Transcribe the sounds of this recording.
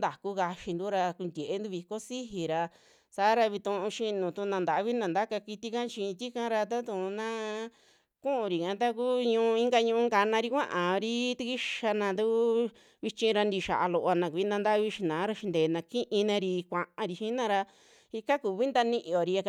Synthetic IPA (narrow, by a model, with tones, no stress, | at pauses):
nd̪a˨ku˦ka˧ʃi˧nd̪u˦ɾa˧ku˧nd̪ʲe˨ʔe˦nd̪u˧βi˧ko˦si˦ɦi˨ɾa˧ | saː˨˦ɾa˧βi˧t̪ũ˧ũ˧ʃi˧nũ˨t̪u˧nã˧nd̪a˨ʔβi˦nã˧˨nd̪a˦ka˧ki˧t̪i˦kã˦t͡ʃĩ˧t̪i˦kã˦ɾa˧t̪̬a˦t̪ũ˧˨˧nã˦ | kũ˦ʔũ˧ɾi˨kã˨˦t̪̬a˦k̬uː˦ɲũ˧ĩ˦ŋɡa˧ɲũ˧ũ˧˦ŋɡa˧nã˧ɾi˧kʷã̰˦ʔã˨˧ɾi˦t̪u˧ki˦ʃa˧nã˧nd̪u˦ | βi˧t͡ʃĩ˧ɾa˧nd̪i˧ʃa̰˨ʔa˧lo˧ʔa˧nã˧ku˧i˦nd̪ã˧nd̪a˦βi˧˦ʃi˧nãː˨˦ɾa˧ʃi˧nd̪eː˨˧nã˧kĩ˦ʔĩ˧nã˧ɾi˧kʷã˧ʔã˧ɾi˧ʃĩ˦nã˧ɾa˧ | i˧ka˦ku˨˧βi˦nd̪a˧nĩ˦˧ʔĩ˧o˨ɾi˧a˧